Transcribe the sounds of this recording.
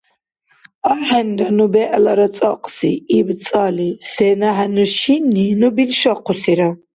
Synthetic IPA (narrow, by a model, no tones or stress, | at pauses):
aħɛnɾanubɛʔlaɾat͡s̪ʼaqʼsḭːb̪t͡s̪ʼalisɛnaɦɛnuʃinːinubilʃaqʰɔsiɾa